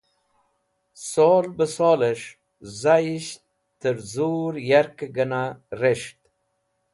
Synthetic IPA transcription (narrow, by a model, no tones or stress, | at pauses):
soːlbəsoːleʂ | zajiʃt̪ | t̪əɾzuɾjaɾkɡənaɾeʂt̪